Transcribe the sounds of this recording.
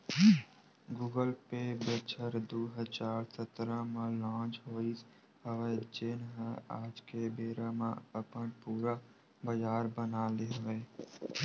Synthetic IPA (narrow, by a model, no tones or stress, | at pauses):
ɡuːɡəlpebət͡ʃʰəɾd̪uːɦət͡ʃaːɾsət̪ɾə̃mẽlãːt͡ʃɦoːis | ɦəʋɛt͡ʃeːnɦəaːd͡ʒkebeːɾamḛ̃əpənpuːɾa | bəd͡ʒaːɾbənaleɦəʋɛː